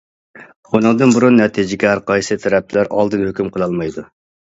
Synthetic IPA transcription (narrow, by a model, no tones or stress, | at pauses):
unɨŋd̪ɨnbuɾunːɛt̪ʰid͡ʒɪkʲɛɾqʰɑjsɨt̪ʰɛɾɛp̪̚ʰlæɾʔɑ̰lˠd̪ɨnhøkʲymqʰəlˠɑlˠmɑjd̪u